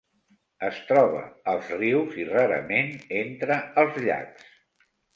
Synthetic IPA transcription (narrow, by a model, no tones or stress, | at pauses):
əst̪ɾɔβ̞ə̰əlˠzriwziraɾə̰menent̪ɾəəlˠzʎa̰ks